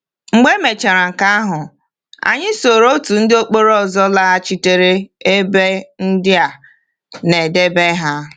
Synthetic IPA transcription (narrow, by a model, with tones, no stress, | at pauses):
ŋ͡m̩˨ɡ͡be˦me˨t͡ʃe˨ɾa˨ŋ̩˨ka˦a˦ɦʊ˨ | a̰˨ɲɪ˦so˨ɾo˦tu˨n̩˦dɪ˦o˦k͡po˦ɾɔ˦˨zɔ˦la˦a˦t͡ʃi˦te˨ɾe˦e˦be˦n̩˦dɪ˦a˨ | ne˨de˦be˦ɦa˦